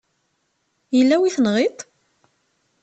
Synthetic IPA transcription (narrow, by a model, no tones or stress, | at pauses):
jəlːæwiθnʁɪt̪ˤ